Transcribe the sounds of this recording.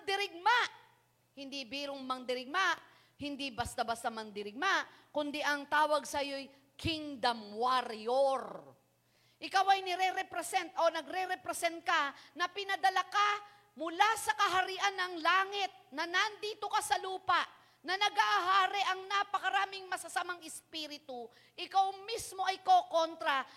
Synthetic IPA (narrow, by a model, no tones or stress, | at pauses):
d̪ɪɾɪɡ̚maʔ | hɪnd̪ibiːɾoŋmɐŋd̪ɪɾɪɡ̚maʔ | hɪnd̪ibɐst̪abɐst̪amɐŋd̪ɪɾɪɡ̚maʔkʊnd̪ɛʔɐŋt̪aːwɐɡ̚sɐjoj | kʰɪŋd̪ɐmwaɾjoɾ | ʔɪkawɐjnɛɾɛɾɛpɾɛsɛnt̪ʔo̞nɐɡɾɛɾɛpɾɛsɛnt̪̚kanɐpɪnɐd̪ɐlaka | mʊlasɐkɐɦɐɾiʔɐnːɐŋlaːŋɪt̪̚nɐnɐnd̪iːt̪okɐsɐluːpɐʔ | nɐnɐɡaʔaɦaːɾɛʔɐŋnapɐkɐɾaːmɪŋmɐsɐsamaŋɪspiɾɪt̪ʊ | ʔɪkawmismo̞ʔɐjkoko̞nt̪ɾɐ